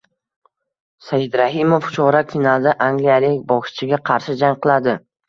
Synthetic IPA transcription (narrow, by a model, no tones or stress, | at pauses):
sajɪd̪ɾaɦɪmoft͡ʃʰɒɾafʲinalˠd̪aʔaŋɡʲlijalɪkʲbɒkɪ̥t͡ʃʰɪɡʲaqʰɑɾʃɪd͡ʒaŋqʰɨlˠad̪ɪ